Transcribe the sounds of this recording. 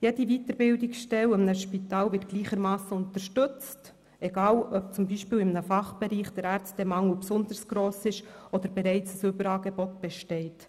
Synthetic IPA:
jɛdivitəɾbɪldɪksʃtɛlɪmnəʃpitɑːlvɪt̚ɡ̥liːχəɾmɑːsəʊntəɾʃtʏt͡st | ʔɛɡɑːlœp̚t͡sʊmbiːʃpiːlɪmənəfɑχb̥ɛɾiːχd̥əɾæɾt͡st̚d̥ɛmɑŋəlpsʊndəɾsɡ̥ɾoːsɪʃʔɔd̥̪əɾbɛɾɛɪt͡səsʏbəɾɑːɡɛbɔtb̥ɛʃtɛɪt

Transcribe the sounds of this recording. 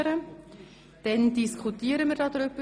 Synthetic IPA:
ɾə | d̥ɛndiskχutiːəɾəmɪɾdɑdɾʏbə

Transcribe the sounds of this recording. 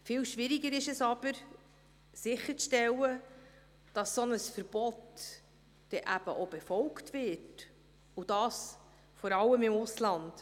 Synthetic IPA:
fɪːlʃʋɪɾiɡəɾɪʃɛsɑb̥əɾ | sɪχːəɾʃtɛlːə | d̥ɑsːɔnəsfəɾb̥ɔtː | ɛʔæb̥ə̰ʔob̥ɛfɔlktvɪt | ʊd̥ɑːs | fɔɾɑlːəmɪmʊslɑnd̥

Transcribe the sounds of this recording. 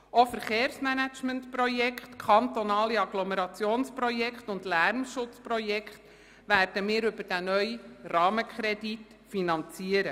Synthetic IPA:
ofəɾχeːrsmænæt͡ʃməntprɔjɛkχtkʰχɑnt̪ɔnɑːliɑɡloməɾɑt͡sjoːnspɾɔjɛkχtʊndlæɾmʃʊt͡spɾɔjɛkχt | ʋæːɾd̥əmɪːɾʏbəɾd̥ænœʏrɑːməkʰχɾɛdit | finɑnt͡siəɾə

